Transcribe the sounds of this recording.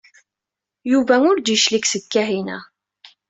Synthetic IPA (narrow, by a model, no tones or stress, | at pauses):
juvæŋʊɾd̪iʃliksəkːæɦinæ̰